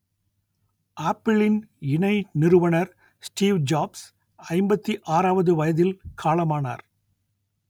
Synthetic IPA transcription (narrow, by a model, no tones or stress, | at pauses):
ʔaːpːɪɭɪnɪɳɐɪnɪɾɯʋɐnɐɾ | sʈiːʋd͡ʒaːbs | ɐɪmbɐt̪ːiʔaːɾaːʋɐðɯʋɐjɐðɪlkʰaːlɐmaːna̰ːɾ